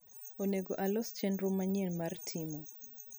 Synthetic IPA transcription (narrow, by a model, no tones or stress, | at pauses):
oneɡoʔalɔst͡ʃɛnɾʊmaɲɛnmartʰimɔ